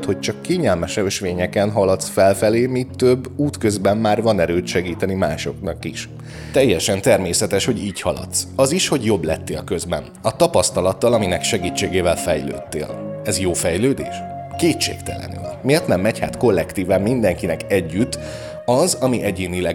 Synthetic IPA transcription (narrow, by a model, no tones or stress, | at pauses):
t̪ho̞c̚t͡ʃɒkːeːɲɛlmɛʃɛøʃʋeːɲɛkɛnɦɒlɒt̪sfɛlfɛleːmiːt̪ːøbːuːt̪kø̞zbɛmːaːrvɒnɛɾøːt̪ʃɛɡiːt̪ɛnimaːʃo̞̰knɒkiʃ | t̪ɛjːɛʃɛnt̪ɛrmeːsɛt̪ɛʃho̞ɟiːchɒlɒ̰t̪sɒziʃho̞ɟjo̞blɛt̪ːeːlkø̞zbɛ̰nɒt̪ɒpɒst̪ɒlɒt̪ːɒlɒminɛkʃɛɡiːt͡ʃːeːɡeːvɛlfɛjlø̰ːt̪ːḛːlɛzjoːfɛjløːd̪ḛːʃkeːtʃḛːkt̪ɛ̰lɛ̰ny̰lmeːrt̪nɛmːɛcha̰ːt̪ko̞lːɛkt̪iːvaːmmind̪ɛŋkinɛkɛɟːyt̪ː | ɒzɒmiʔɛɟeːnilɛ